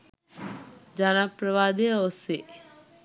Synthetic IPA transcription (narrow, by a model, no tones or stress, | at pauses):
d͡ʒaːnapɾəʋaːd̪eose